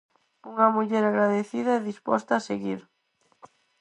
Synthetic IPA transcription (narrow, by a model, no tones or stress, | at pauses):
uŋɐmuʎɛɾaɣɾaðeθiðɐɛðispɔst̪aːseɣiɾ